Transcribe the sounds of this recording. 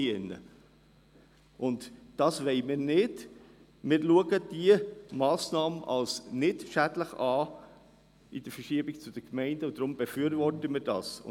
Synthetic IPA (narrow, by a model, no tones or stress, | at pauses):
iɪnːə̰ | ʔʊntd̥ɑːsʋɛɪmɪːɾnɪd̥ | mɪːɾluəɡəd̥iəmɑːsnɑːmʔɑ̰lsnɪtʃæd̥ləχɑː | id̥əɾfəʃiəbɪɡ̚t͡sʊd̥əkmɛɪndəʊd̥̪ɾʊmbefyəɾvɔrtəmɪːɾd̥ɑ̰ːsʊ̰